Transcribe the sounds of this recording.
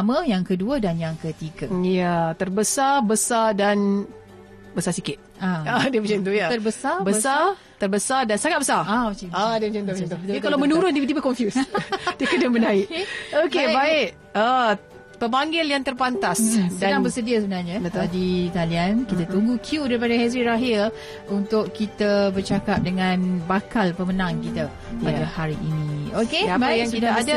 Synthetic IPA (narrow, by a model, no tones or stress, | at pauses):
amə̃jaŋkəduədanjaŋkət̪iɡəjat̪ərbəsarbəsadan | bəsarsikɪt̪̚aadiəpəd͡ʒant̪ujaəbəsabəsa | t̪ərbəsardansaŋat̪̚bəsaraət͡ʃiadiəəd͡ʒant̪up̪t̪ukkalawmənuɾʊndid̪ibəkɔɱfjusdiəkədəmənaɪʔokebaɪʔ | ə | pəmaŋɡɪljaŋt̪ərpant̪asdaaŋbərsədiasəbənarɲãdt̪adit̪aliankit̪at̪uŋɡukʰjudaɾip̬adaɦɛs̬ɾiɾaɦɪl | unt̪ʊʔkːit̪abərt͡ʃakap̚dəŋãnbakalpəmənãŋkit̪a | padahaɾiʔːniokemajŋsidaada